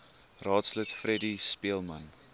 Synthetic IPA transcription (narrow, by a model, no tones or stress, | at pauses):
rɑːtslətfrɛdispiəlˠmən